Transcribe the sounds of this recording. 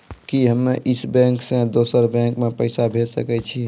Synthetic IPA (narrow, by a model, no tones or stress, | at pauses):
kiɦəmːeʔisbɛ̃ŋksẽd̪osəɾbɛ̃ŋkmepəɪsabʱesə̰kɛt͡ʃʰi